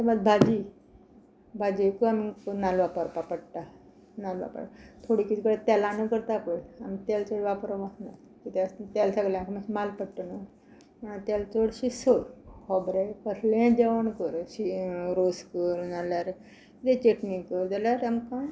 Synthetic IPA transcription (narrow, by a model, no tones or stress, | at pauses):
t̪əmad̪̚bʱad͡ʑi | bʱad͡ʑikəamiknalʋapəɾpapəɽʈ̪a | nalʋa̰pa̰ɽt̪ʰoɽikit̪ʰikəɽet̪ɛlanəkəɾt̪aːpəɽamit̪ɛlt͡soɽʋapɾoʋana̰ | kit̪st̪alsaɡljakʰmaɕimalpəɽʈːənə | məɳat̪alt͡soɽɕisolhɔbɾekəɾlẽd͡ʑaʋəɳkəɾɕiɾoskəɾnalaɾ | it̪et͡ɕeʈnĩkəld͡zalaɾamkã